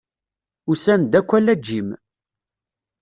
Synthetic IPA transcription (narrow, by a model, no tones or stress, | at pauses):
usænd̪ækʷːælːæd͡ʒːim